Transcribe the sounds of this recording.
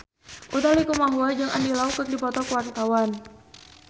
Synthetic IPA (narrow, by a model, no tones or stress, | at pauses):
ʔut̪alikumaɦuad͡ʒaŋa̰ndilaukək̚dipɔt̪ɔkəwart̪awan